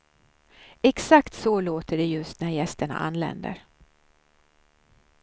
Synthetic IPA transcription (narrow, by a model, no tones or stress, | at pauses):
ɛksakt̪sɔloːt̪əɖɛjɵst̪̚næɾjɛst̪əɳa̰ʔa̰nːlɛ̰nd̪ə̰ɾ